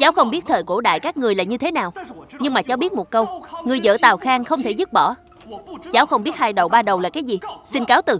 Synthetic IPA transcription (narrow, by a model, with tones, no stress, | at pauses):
t͡ɕaː˨˦wxə˧wŋ͡mɓi˦˥t̚t̪ʰəː˧˩jko˧˩ɗa̰ː˧˨jkaː˦˥k̚ŋɨ˨˩əjlaː˨˩ɲɨ˧t̪ʰe˨˦naː˨˩wɲɨ˧ŋmaː˨˩t͡ɕa˨˦ɓi˦˥ət̚mo˨˩t̚kə˧wŋɨ˨˩əjzə̰ː˧˩t̪aː˨˩wxaː˧ŋxə˧wŋ͡mt̪ʰe˧˩zu˦˥p̚ɓɔ̰˧˩ | t͡ɕaː˨˦wxə˧wŋ͡mɓi˦˥ət̚haː˧jɗə˧˨˩wɓaː˧ɗə˨˩wlaː˨˩kaː˨˦jzi˨˩si˧nkaː˨˦wt̪ɨ˨˩